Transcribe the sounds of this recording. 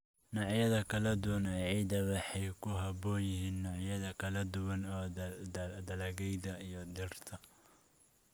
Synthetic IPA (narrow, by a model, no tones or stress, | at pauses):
nɑʕjɐðɐkʰɐlɐd̪ʊwɐnɛːʕiːd̪ɐβɑħɑjkʰʊɦɐbɔːjɪɦiːnːɑʕjɐðɐkʰɐlɐd̪ʊwɐnɔː | d̪ɐlɐɣɛjd̪ɐijɞd̪ɪrt̪ʰɐ